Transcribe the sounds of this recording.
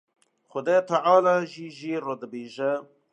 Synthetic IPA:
xʊd̪eːt̪ʰaʕaːlaʒiʒirod̪əbeːʒɛ

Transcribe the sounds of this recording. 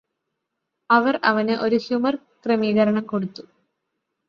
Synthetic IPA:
ɐʋɐrɐʋɐneʔo̞ɾuhjumɐr | kremiːɣɐɾɐɳɐmko̞ɽut̪ːu

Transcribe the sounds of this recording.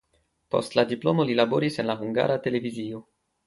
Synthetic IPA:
po̰st̪lad̪iplo̰molilaboɾisenlaɦuŋɡa̰ɾat̪eleviziːo

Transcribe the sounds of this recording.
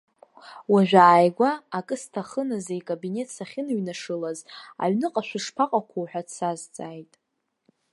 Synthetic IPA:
waʒᶣaːjɡʷaːkʼɨstʰaχənazajkʼobine̞tʰsaχʲɪnɥnaʂɨlaza̰ɥnɨqʼaʃᶣʷaʂpʰaqʼakʷʰuwħʷᶣadsazt͡sʼajtʼ

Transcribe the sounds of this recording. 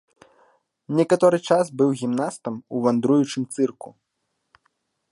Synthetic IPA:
nʲɛkat̪ɔɾɨt͡ʂasbɨwɣʲimnast̪ɐmuvand̪ɾujut͡ʂɨmt̪sɨrkṵ

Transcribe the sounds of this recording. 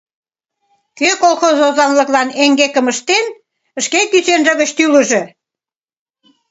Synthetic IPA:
køkolˠxozozɑnlə̆klɑneŋɡekə̆məʃt̪en | əʃkekyt͡senʒĕɣət͡ɕt̪yləʒe

